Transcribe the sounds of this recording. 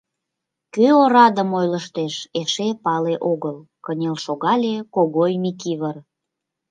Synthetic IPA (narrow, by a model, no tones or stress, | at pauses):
køoɾɑd̪əmojləʃt̪eʃeʃepɑleʔoɣəl | kənʲelʃoɣɑlʲekoɣojmikiβər